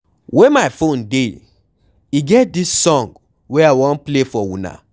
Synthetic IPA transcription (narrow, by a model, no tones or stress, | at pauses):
wemaɪfõnde | iɡɛt̚disːɔ̃ŋɡ | weawɔ̃nplefɔwṵ̃na̰